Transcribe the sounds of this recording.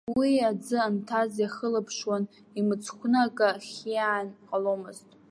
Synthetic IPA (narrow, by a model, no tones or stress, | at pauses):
wiad͡zɨantʰazjaχəlapʰʂwan | imɨt͡sʰkʷʰnɨakʼaχʲianqʼalomɨztʼ